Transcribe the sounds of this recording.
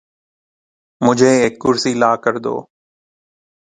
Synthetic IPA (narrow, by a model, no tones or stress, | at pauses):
mʊd͡ʒʱeːeːk̚ːʊɾsiːlaːkəɾd̪o̰ː